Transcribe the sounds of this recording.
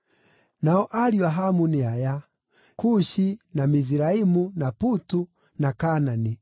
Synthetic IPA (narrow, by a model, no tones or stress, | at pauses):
naɔʔaɾiwaɦamuniaja | kuʃinamiziɾaimunaputu | nakanani